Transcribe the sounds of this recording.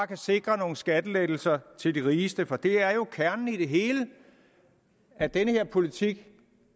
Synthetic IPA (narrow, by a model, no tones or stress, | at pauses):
kʰæse̝ɡ̥ʁɐno̝ːn̩sɡ̥æd̥əleɡ̥l̩sɐt͡sʰe̝ld̥iʁiːsd̥əfɒ̽d̥e̝æɐjo̝kʰæɐnn̩id̥e̝ɦe̝ːlə | æd̥enəhe̝ɐ̰pʰo̝lit͡sʰiɡ̥